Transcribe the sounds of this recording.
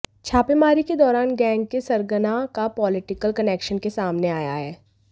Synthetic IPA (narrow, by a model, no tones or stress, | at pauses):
t͡ʃʰaːpemaːɾiked̪ɔːɾaːnɡɛ̃ːŋɡ̚kesɐɾɡənakapɔːlɪʈɪkəlkɐnɛːkʃənkesaːmneaːja̰ɦɛː